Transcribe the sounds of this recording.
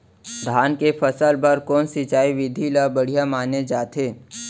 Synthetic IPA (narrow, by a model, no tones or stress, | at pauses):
d̪ʱaːnkepʰəsəlbəɾkɔːnsɪt͡ʃaːiʋɪd̪ʱilabəɽ̤ijamaːned͡ʒaːt̪eː